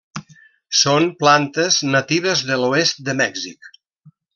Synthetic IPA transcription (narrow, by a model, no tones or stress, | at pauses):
sonplant̪əznət̪iβ̞əzðəluest̪̚d̪əmɛɡzḭk